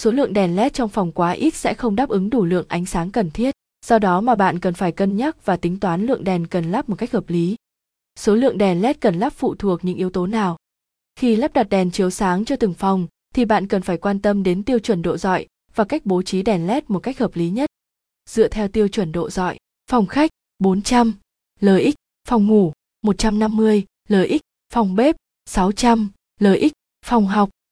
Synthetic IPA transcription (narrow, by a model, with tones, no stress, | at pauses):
so˨˦lɨ̰˧˨əŋɗɛ˨˩nlɛ˦˥t̚t͡ɕɔ˧wŋ͡mfɔ˨˩wŋ͡mkwaː˨˦ʔi˦˥t̚sɛ̰˧˥xə˧wŋ͡mɗaː˦˥p̚ʔɨ˨˦ŋɗu˧˩lɨ̰˧˨əŋʔa˨˦jŋ̟saː˨˦ŋkə˨˩nt̪ʰi˦˥ət̚ | z̥ɔ˧wɗɔ˨˦maː˨˩ɓa̰ː˧˨nkə˨˩nfaː˧˩jkə˧nɲa˦˥t̚vaː˨˩t̪ï˨˦ŋ̟t̪waː˨˦nlɨ̰˧˨əŋɗɛ˨˩nkə˨˩nlaː˦˥p̚m˨˩t̚ka˦˥jk̚həː˨˩p̚li˨˦ | so˨˦lɨ̰˧˨əŋɗɛ˨˩nlɛ˦˥t̚kə˨˩nlaː˦˥p̚fṵ˧˨t̪ʰu˨˩ək̚ɲɨ̰˧˥ŋʔi˨˧əwt̪o˨˦naː˨˩w | xi˧laː˦˥p̚ɗa˨˩t̚ɗɛ˨˩nt͡ɕi˨˦əwsaː˨˦ŋt͡ɕɔ˧t̪ɨ˨˩ŋfa˨˩wŋ͡m | t̪ʰi˨˩ɓa̰ː˧˨nkə˨˩nfaː˧˩jkwaː˧nt̪ə˧mɗe˨˦nt̪i˧əwt͡ɕwə˧˩nɗo̰˧˨zɔ̰˧˨j | vaː˨˩ka˦˥jk̚ɓo˨˦t͡ɕi˨˦ɗɛ˨˩nlɛ˦˥t̚mo˨˩ka˦˥k̚həː˨˩p̚li˨˦ɲə˦˥t̚ | z̥ɨ̰˧˨ət̪ʰɛ˧wt̪i˧əwt͡ɕwə˧˩nɗo̰˧˨zɔ̰˧˨j | fa˨˩wŋ͡mxa˦˥jk̟̚ | ɓo˨˦nt͡ɕa˧m | ləː˨˩jʔi˦˥k̟̚ | fɔ˨˧˩wŋ͡mŋu˧˩ | mo˨˩t̚t͡ɕa˧mna˧mːɨ˧əj | ləː˨˩jʔi˦˥k̚ | fa˨˧˩wŋ͡mɓe˦˥p̚ | sa˨˦wt͡ɕa˧m | ləː˨˩jʔi˦˥k̚ | fa˨˩wŋ͡mɦa˨˩wk͡p̚